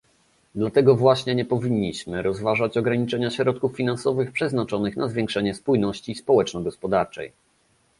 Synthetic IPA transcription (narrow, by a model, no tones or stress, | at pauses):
d̪lat̪ɛɡɔvwaɕɲɛɲɛpɔvʲiɲːiɕmɘɾɔzvaʐat͡ɕɔɡɾaɲit͡ʂɛɲaɕɾɔt̪̚kufːʲinansɔvɘxpʂɛznat͡ʂɔnɘxnʔazvʲjɛŋkʂɛɲɛspujnɔɕt͡ɕispɔwɛt͡ʂnɔɡɔspɔd̪aɾt͡ʂɛ̰j